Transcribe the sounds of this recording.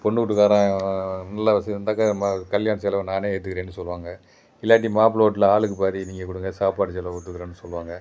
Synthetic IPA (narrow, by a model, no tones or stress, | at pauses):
pɔɳːɯkʊʈːɯkːaːɾãnɐlːaʋɐsɪnd̪aːkɐmɐkɐljaːnɐsɛlɐʋ̃naːneːɛt̪̬ːɯkɯɾeːnːɯsɔlːʋaːŋɡɐ | ɪlːaːʈ̬ːimaːp̬loːʈ̬ːɪlɐaːɭɯkːɯpaːɾiniːŋɡɐk̬ʊɽɯŋɡɐsaːpaːʈːɯsɛlɐʊt̪ːɯkːɯɾɐ̃ːnːɯsɔlːʋaːŋɡɐ